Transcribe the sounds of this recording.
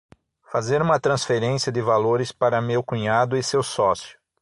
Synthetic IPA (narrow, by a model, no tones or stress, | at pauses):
fazeɾũmɐt̪ɾɐ̃sfeɾẽsiɐd̪ɪvaloɾɪspaɾɐmewkũɲad̪ʊɪsewsɔsjʊ